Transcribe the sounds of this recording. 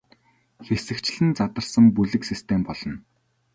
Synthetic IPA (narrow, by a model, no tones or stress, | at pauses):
xesɘ̆kt͡ɕɮɘ̆nt͡sat̪ə̆rsə̆ŋpuɮɘ̆ksist̪ʰempɔɮɞ̆n